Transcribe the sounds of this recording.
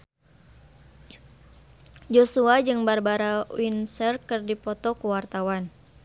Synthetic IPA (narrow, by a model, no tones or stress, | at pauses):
d͡ʒosuad͡ʒɨŋbarbaɾawinsɛrkɨrdipɔt̪ɔkuwart̪awan